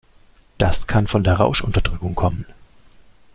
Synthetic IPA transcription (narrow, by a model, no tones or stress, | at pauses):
d̥askʰanfɔndeːɐʁa̰ʊʃʔʊntɐd̥ʁʏkʊŋkʰɔmən